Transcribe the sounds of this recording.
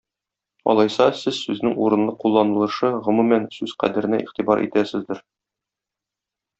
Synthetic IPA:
ɒ̰lˠɑjsɑsɘzsʉznɘŋuɾɤ̆nlˠɤqulˠːɑnɤ̆lˠɤ̆ʃɤʁɵ̆mumænsʉz̥qæ̰d̪ɘ̆ɾɘ̆næ̰ʔḭχt̪ibɑɾʔḭt̪æsɘ̆zd̪ɘɾ

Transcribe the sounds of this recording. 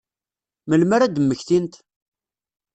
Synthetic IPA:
məlməɾæd̪əmːəçθint̪

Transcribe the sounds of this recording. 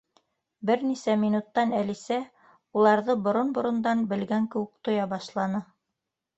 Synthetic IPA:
bɘɾnisæmʲinut̪ːɑnælisæ | ulˠɑɾðɤbŏɾonbŏɾŏnd̪ɑnbɘ̆lɡæŋkɘ̆wɘk̚t̪ŏjɑbɑʃlˠɑnɤ

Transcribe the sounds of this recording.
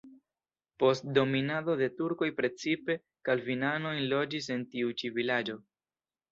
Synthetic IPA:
po̞st̚do̞minado̞de̞tuɾko̞jpɾe̞t͡sipe̞ | kalvinano̞jnlo̞d͡ʒis̬e̞ntiut͡ʃivilad͡ʒo̞

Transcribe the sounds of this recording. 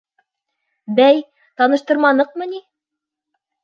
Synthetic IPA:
bæj | t̪ɑnɤ̆ʃt̪ɤ̆ɾmɑnɤq̚mɤ̆ni

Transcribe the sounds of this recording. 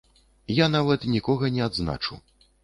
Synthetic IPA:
janavɐt̪nʲikɔɣɐnʲɛad̪zna̰t͡ʂṵ

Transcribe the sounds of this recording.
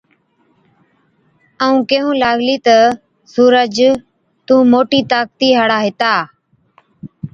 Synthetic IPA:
əũːkeːɦũːlaːɡliːt̪ə | suːɾəd͡ʒ | t̪ũːmoːʈiːt̪aːk̚t̪iːɦaːɽaːɦɪt̪aː

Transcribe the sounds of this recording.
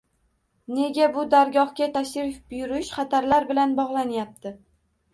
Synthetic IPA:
ne̞ɡʲabʊd̪aɾɡɒhkʲat̪ʰaʃɾɪfb̥ʊjʊɾɪʃχɑt̪ʰaɾlaɾbɪlanbɒʁlˠanjap̚t̪ʰɪ

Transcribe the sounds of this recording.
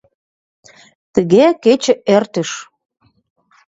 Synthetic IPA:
t̪əɣeket͡ɕə̆ert̪ə̆ʃ

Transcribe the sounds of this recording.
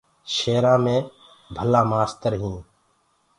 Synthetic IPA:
ʃeːɾãːmẽː | bʱəlãːmaːst̪əɾɦĩː

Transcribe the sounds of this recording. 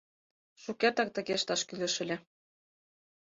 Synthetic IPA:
ʃukert̪ɑk̚t̪ɤ̆ɣeʃt̪ɑʃkylɘ̆ʃɘ̆lʲɘ̆

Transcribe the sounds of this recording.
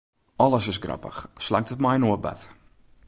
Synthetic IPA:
ɔləsɪsɡrɑ̰pə̰χslaŋ̚tət̚majnuəba̰t

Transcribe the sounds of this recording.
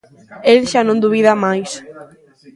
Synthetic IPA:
elʃanõnd̪uβiðamajs

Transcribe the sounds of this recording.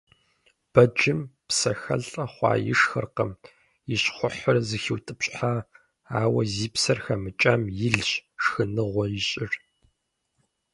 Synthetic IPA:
b̥ɐd͡ʒɪmpsɐxɐ̰ɮʼɐχʷɑ̰ːjɪ̰ʂxɐrqɐm | jɪɕχʷʊħʊrzɨxiwtʼɨpɕʼħa | aːwɐziːpsɐrxɐmɨt͡ʃʼaːmjɪɮɕʂxɨnɨʁʷɔjɪɕʼɪr

